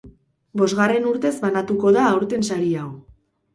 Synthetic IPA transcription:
bo̞zɣare̞nuɾt̪e̞zβanat̪uko̞ðaːwɾt̪e̞nsaɾiaw

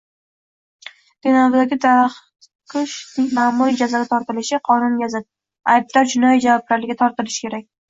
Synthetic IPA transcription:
d̪̥enavd̪aɡʲɪd̪ʰaɾχ | qʰɨʃd̪ɪkʲmaːmuɾid͡ʒazaɡʲat̪ʰɒɾt̪ɪlɪʃɪqʰɒnʊnjʲazad̪̚ | ajb̚d̪ɒɾd͡ʒʊnɒjd͡ʒavɒb̚laɾlɪɡʲat̪ʰɒɾt̪ɪlɪʃɪ̥kʲʰe̞ɾak̚ʲ

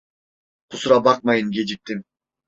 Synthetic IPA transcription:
qʰʊsɾabɑq̚mɑjɯnɡʲed͡ʒip̚t̪im

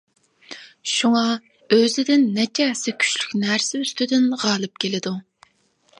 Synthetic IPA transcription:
ʃuŋɑ | øzɪd̪ɪnːɛt͡ʃʰɛsɪkʲʰy̥t͡ʃlykʲnæɾsɪyst̪yd̪ɪnʁɑːlˠɨp̚kʲʰelɪd̪u

